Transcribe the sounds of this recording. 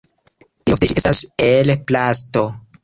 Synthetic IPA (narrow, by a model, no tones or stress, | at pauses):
t̪ihoft̪et͡ʃiestaselplasto